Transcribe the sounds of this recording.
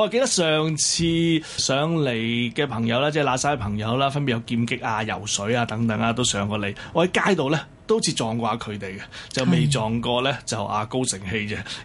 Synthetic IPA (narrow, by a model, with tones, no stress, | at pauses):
ɔ˧˥˨ke˧jt̪ɐ˥k̚sœː˨ŋt͡sʰiː˧sœː˨˧˥ŋle˨˩jkɛː˧pʰɐ˨˩ŋjɐ˨˧wlaː˥t͡sɛː˥˩laː˨˧saː˥˩˧pʰɐ˨˩ŋjɐ˨˧wlaː˥fɐ˥npi˨˩jɐ˨˧wkiː˧mkɪ˥k̚aː˧jɐ̰˨˩wsɵ˨˥ɥaː˧t̪ɐ˨˥ŋt̪ɐ˨˥ŋaː˧t̪o˥wsœː˨˥ŋkɔː˧le˨˩jɔː˨˧hɐ˨˥jkaː˥jt̪o˨wlɛː˥ | t̪o˥wt͡sʰiː˧t͡sɔː˨˩ŋkʷaː˧kʰɵ˨˧ɥt̪e˨jkɛ˧t͡sɐ˨wme˨jt͡sɔː˨˩ŋkɔː˧lɛː˥t͡sɐ˨wʔa̰ː˨ko˥wsɪ˨˩ŋhe˧jt͡sɛ˧